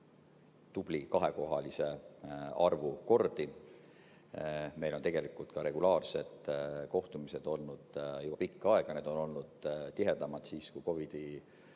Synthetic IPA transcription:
t̪ub̥likɑɦe̞ko̞ɦɑlise̞ɑrvuko̞rd̪̥i | me̞jlo̞nt̪e̞ɡ̥e̞likːˑult̪kɑɾe̞ɡ̥ulɑːrse̞d̪̥ko̞ht̪umise̞d̪̥o̞lnud̪̥jub̥ɑpikːɑe̞ɡ̥ɑne̞d̪o̞no̞lnud̪̥t̪ːiɦe̞d̪̥ɑmɑd̪̥siːskujko̞vid̪̥i

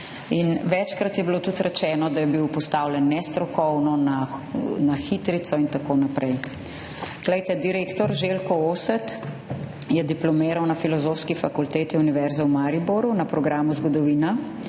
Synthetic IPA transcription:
inʋɛt͡ʃkɾat̪jɛbilot̪ut̪ɾɛt͡ʃɛːnɔd̪ajɛbiwpɔst̪aːwlʲɛnːɛst̪ɾɔkɔwnɔnanaxit̪ɾit̪sɔint̪akoːnapɾɛj | ɡ̥lɛjt̪ɛd̪iɾeːkt̪ɔɾʒelkɔoːsɛt̪ | jɛd̪iplɔmeːɾɐwnɐfilɔzoːwskifakult̪eːt̪iuniʋɛɾzawmaːɾiboɾunapɾɔɡɾaːmuzɡɔd̪ɔʋiːna

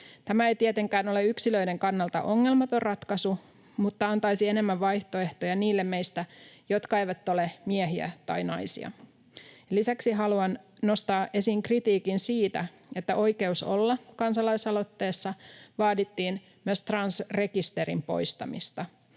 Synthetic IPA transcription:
t̪æmæejt̪iet̪e̞ŋkæːno̞le̞yksilø̞ide̞ŋkɑnːɑlt̪ɑ̰ʔo̞ŋːe̞lmɑt̪o̞rɑt̪kɑsu | mut̪ːɑɑnt̪ɑjsiene̞mːæʋʋɑjht̪o̞e̞ht̪ojɑniːlːemmejst̪æjo̞t̪kɑe̞jʋæt̪ːo̞le̞mieɦiæ̰t̪ɑ̰jnɑjsḭɑ̰ | lisæksiɦɑluɑnno̞st̪ɑːʔe̞siŋkrit̪iːkinsiːt̪æ̰ | e̞t̪ːæʔo̞jke̞uso̞̰lːɑkɑnsɑlɑjsɑlo̞t̪ːe̞ːsːɑʋɑːdit̪ːiːn | myøst̪rɑnsre̞kist̪e̞ɾimpo̞̰jst̪ɑ̰mḭst̪ɑ

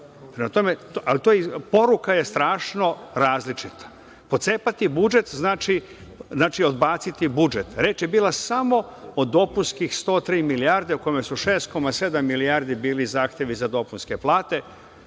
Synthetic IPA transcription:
pɾemat̪o̞met̪alit̪ojipo̞ɾukaje̞st̪ɾaːʃno̞ɾaːzlit͡ʃit̪ḁ | po̞t̪se̞ːpat̪ibud͡ʒe̞t̪znaːt͡ʃi | znaːt͡ʃio̞d̪baːt̪sit̪ibud͡ʒe̞t̪ɾe̞ːt͡ʃjebiːlˠasamo̞od̪ːo̞punskixst̪o̞ːt̪ɾiːmiliaːɾd̪e̞uko̞jmesuʃe̞ːst̪̚ko̞mase̞d̪amːiliaːɾd̪ibiːlizaːxt̪je̞ʋizad̪o̞punske̞plˠaːt̪e̞

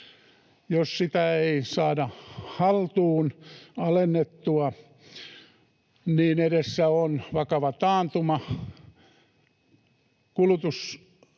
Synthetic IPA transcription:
jossit̪æeisɑːdɑhɑlt̪uːnɑlenːet̪ːuɑ | niːnedesːæonʋɑkɑʋɑt̪ɑːnt̪umɑ | kulut̪us

